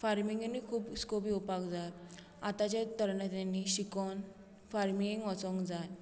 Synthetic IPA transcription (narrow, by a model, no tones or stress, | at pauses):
faɾmiŋɡnːikʰuːpskopiupakd͡zal | at̪at͡ɕat̪əɾɳət̪anːiɕikɔn | faɾmiŋiŋɡʋɔt͡sɔ̃ŋɡd͡zal